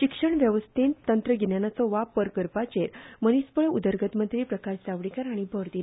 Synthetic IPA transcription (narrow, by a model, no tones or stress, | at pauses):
ɕikʂəɳʋjəʋəst̪int̪ənt̪ɾəɡenjanat͡sɔʋapəɾkəɾpat͡ɕeɾmənispəɭud̪əɾɡət̪mənt̪ɾiːpɾəkaɕsaʋɽikaɾaɽ̃ibʱəɾt̪i